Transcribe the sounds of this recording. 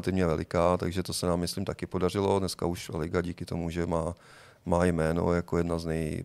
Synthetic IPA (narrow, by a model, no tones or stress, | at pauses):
t̪ɪvɲɛvɛlɪkaːt̪aɡʒɛt̪o̞sɛnaːmːɪsliːmt̪akɪpo̞dar̝ɪlo̞dnɛska̰uʃlɪɡaɟiːkɪt̪o̞muʒɛmaː | maːjmɛːno̞̰jakojɛdnaznɛj